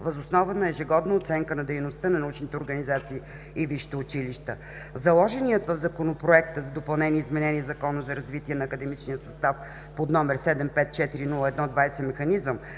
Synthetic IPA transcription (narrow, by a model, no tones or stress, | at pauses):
vəzosnɔvənɐɛʒiɡɔd̪nəot̪sɛŋkənɐd̪ɛjnost̪ənɐnɐut͡ʃnit̪ɛoɾɡɐnizat̪siː | iviʃi̥t̪ɛʊt͡ʃiliʃt̪ə | zɐlˠɔʒɛniət̪vəvzɐkonopɾoɛkt̪əzɐd̪opɐlˠnɛniəizmɛnɛniɛzɐkɔnəzɐɾɐzvit̪iɛnɐːkəd̪ɛmit͡ʃnijəsɐst̪af | pod̪nɔmɛɾsɛd̪ɛmpɛt̪̚t͡ʃɛt̪iɾinulˠəɛd̪nɔd̪vajsɛmɛxɐnizəm